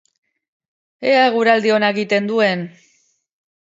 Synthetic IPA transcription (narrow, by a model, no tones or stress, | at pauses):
eaeɣuɾald̪ionaeɣit̪e̞nd̪ue̞n